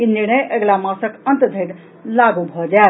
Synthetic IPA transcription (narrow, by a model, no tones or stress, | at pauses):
iniɾñəjʔeɡlamãsəkənt̪d̪ʱeʈ | laɡubʱɔd͡ʒa